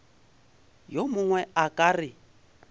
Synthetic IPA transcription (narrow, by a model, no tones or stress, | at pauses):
jomʊŋwɛakʼaːrɪ